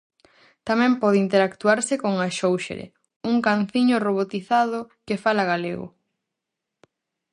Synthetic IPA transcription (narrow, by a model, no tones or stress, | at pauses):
t̪amɛ̃mpɔð̞ɪint̪eɾakt̪uaɾsɪkoŋaʃowʃḛɾḛ | uŋkan̟θiɲoroβot̪iθaðʊ | kefalaɣalḛɣʊ̰